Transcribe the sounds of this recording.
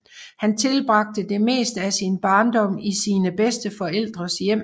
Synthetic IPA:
hænt͡sʰe̝lb̥ʁɑ̈ɡ̥̚d̥əd̥e̝me̝̰ːsd̥æsinb̥ɑ̈ːnd̥ɒ̽m̰isiːnəb̥esd̥əfɒ̽el̰d̥ʁɐsjem̰

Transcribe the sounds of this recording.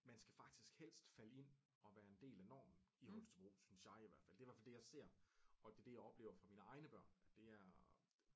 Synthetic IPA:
mænsɡ̥æfɑ̈ɡ̥̚d̥isɡ̥hel̰sd̥fæləe̝n̰ | ɒ̽ʋæːɐe̝nd̥e̝̰ːlænɒ̰ːmn̩ihɔlst͡sʰb̥ʁo̰ːsynsjɑ̈ɪiʋæɐ̰̥fæl̰deʋæɐfæld̥ejɑ̈ɪse̝ɐ̰ɒ̽d̥e̝d̥e̝jɑ̈ɪɒ̽b̥le̝ːʊɐfʁɑ̈miːnəɑ̈ɪnəb̥ɶɐ̰nd̥e̝æɐ

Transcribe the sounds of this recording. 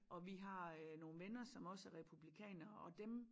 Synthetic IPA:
ʔɒ̽ʋiɦɑ̈no̝ːn̩ʋenɐsɒ̽mɒ̽sæʁɛpʰub̥likʰɛ̰ːnɐɒ̽d̥em

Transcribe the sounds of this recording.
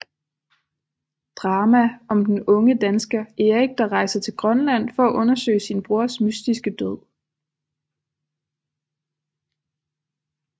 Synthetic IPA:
d̥ʁɑ̈ːmæɒ̽md̥en̩ɔ̽ŋəd̥ænsɡ̥ɐeʁiɡ̥̚d̥ɑ̈ʁɑ̈ɪsɐt͡sʰe̝lɡ̥ʁɶnlæn̰fɒːʔɔ̽nɐsø̰ɪsinb̥ʁuɐ̰smysd̥isɡ̥əd̥øð̰ˠ

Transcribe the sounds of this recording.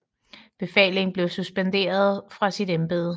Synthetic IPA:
b̥e̝fɛ̰ːle̝ŋn̩b̥le̝ʊsusb̥end̥e̝̰ːɐð̞ˠfʁɑ̈sidemb̥e̝ːðˠə

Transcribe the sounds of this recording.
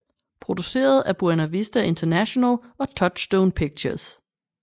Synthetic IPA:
pʰʁo̝d̥use̝̰ːɐð̞̩ˠæb̥uɐnæʋisd̥æʔe̝nt͡sʰɐnæɕo̝nælɒ̽t͡sʰɒ̽d̥sd̥oʊnpʰiɡ̥̚t͡ɕʰɐs

